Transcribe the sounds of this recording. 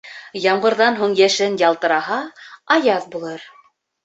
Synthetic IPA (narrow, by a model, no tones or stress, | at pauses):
jɑɴɢɤ̆ɾðɑnɦuɴjæʃɘnjɑlˠt̪ɤ̆ɾɑɦɑɑjɑðbulˠɤɾ